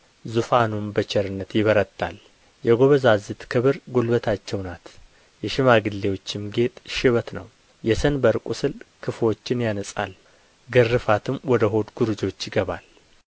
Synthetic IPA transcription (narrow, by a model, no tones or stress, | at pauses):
zufanumbət͡ʃʰɛɾɨnːət̪jɪβəɾət̪ʼːal | jɛɡo̞βəzazɨt̪kʰɨβɨɾɡolbət̪ʰat͡ʃːɛwnat̪ | jɛʃɪmaɡɨlːe̞wo̞t͡ʃːɪmɡe̞t̪ʼʃɪβət̪nə̰w | jɛsənbəɾkʼusɨlkʰɨfo̞t͡ʃːɪnjanəsʼa̰l | ɡərːɨfat̪ʰɨmwɔd̪əɦo̞d̪ɡuɾd͡ʒo̞t͡ʃːjɪɡəβal